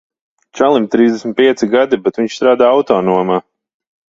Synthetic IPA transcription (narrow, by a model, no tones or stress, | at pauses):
t͡ʃalˠimt̪ɾiːzd̪esmʲit̪̚piɛt̪siɡad̪ibɛt̪viɲt͡ʃst̪ɾaːd̪aːawt̪oːnuɔmaː